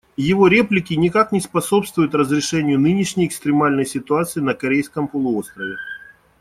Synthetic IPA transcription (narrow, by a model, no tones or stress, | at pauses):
jɪvo̞ɾʲe̞plʲɪkʲɪnʲɪkaknʲɪspɐso̞pst̪vʊjʊt̪rəzɾʲɪʂɛnʲɪjʊnɨnʲɪʂnʲɪjɪkst̪ɾʲɪmalʲnəjsʲɪt̪ʊat̪sɨɪnəkɐɾʲejskəmpəlˠʊo̞st̪ɾəvʲɪ